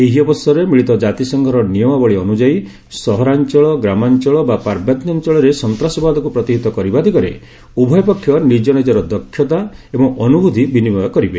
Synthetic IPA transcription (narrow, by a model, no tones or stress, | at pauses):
eɦiɔbɔsɔɾemiɭit̪ɔd͡ʒat̪isɔŋɡʱɔɾɔnijɔmɔbɔɭeɔnud͡ʒai | sɔɦɔɾant͡ʃɔɭɔɡɾamant͡ʃɔɭɔbapaɾbʱjat̪nant͡ʃɔɭɔɾesɔnt̪ɾasɔbad̪ɔkupɾɔt̪iɦit̪ɔkɔɾibad̪ikɔɾḛ | ubʱɔjɔpɔkʰjɔnid͡ʒɔnid͡ʒɔɾɔd̪ɔkʰːjɔt̪aebɔŋɔnubʱud̪ʱibinibɔjɔkɔɾibe